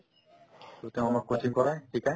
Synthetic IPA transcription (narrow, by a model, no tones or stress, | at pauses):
t̪et̪ew̃amaɾkotʰiŋkɔɾajʈʰikaj